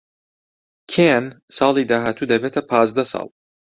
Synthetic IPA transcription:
kʰensɑːlˠiːd̪aːɦaːt̪ʰuːd̪ɐbeːt̪ʰɐpʰɑːzd̪ɐsɑ̰ːlˠ

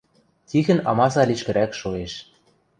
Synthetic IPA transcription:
t̪ʲiɣɘ̆nɑ̰mɑsɑlʲiʃkɘ̆ɾækʃoeʃ

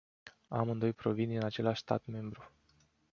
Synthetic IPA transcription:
amɨnd̪o̞jpɾo̞vind̪inat͡ʃe̞laʃʲst̪a̰t̪me̞mbɾu

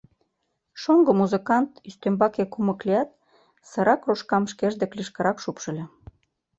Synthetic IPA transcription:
ʃoŋɡŏmuzəkɑnt̪yst̪ømbɑkekumɤ̆kleɑt̪̚ | sɤ̆ɾɑkroʃkɑmʃkeʒd̪ĕkliʃkɤ̆ɾɑkʃupʃɤ̆lʲĕ

